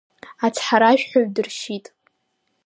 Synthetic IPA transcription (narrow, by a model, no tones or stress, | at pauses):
at͡sʰħaɾaʃᶣħʷoɥdɨrʃitʼ